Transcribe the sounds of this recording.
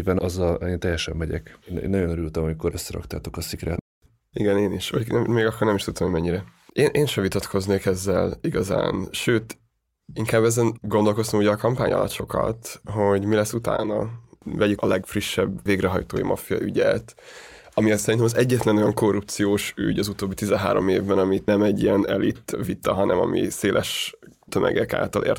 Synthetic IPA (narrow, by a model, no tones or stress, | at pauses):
bɛnʔɒzːɒleːnt̪ɛjːɛʃɛmːɛɟɛ̰kːnḛːnɒɟonøɾylt̪ɛmomkoɾøsːɛɾɒ̰kt̪aːt̪o̞kɒsikɾɛ̰ː | iɡɛneːniʃɒ̰ɛmmeːɡɒkːornɛmiʃt̪ut̪somomɛɲːiɾɛ | eːnʔeːnʃɛvit̪ɒt̪kʰo̞zneːkɛzːɛ̰liɡɒza̰ːnʃøːt̪ | iŋkaːbːɛzɛnɡond̪o̞lko̞st̪omuːɟɛːkɒmpaːɲʔɒ̰lɒ̰t̪ʃo̞kɒ̰t̪ɦo̞ɟmilɛsːut̪a̰ːnɒvɛɟyɒlɛɡfriʃːɛbːeːɡrɛɦɒjt̪oːjḭmɒ̰fijɒ̰ʔyɟɛt̪ | ɒmiɛsɛɾint̪ɛmɒzɛɟːɛt̪lɛno̞jɒŋko̞rːup̚t̪sijoːʃy̰ɟɒzut̪oːbːit̪izɛnɦa̰ːɾo̞̰mḛːvbɛnɒminɛmɛɟːiɛnɛlit̪ːvit̪ɒɦɒnɛ̰mɒ̰mḭseːlʔɛʃt̪ømʔɛ̰ɡɛka̰ːlt̪ɒlʔḛːr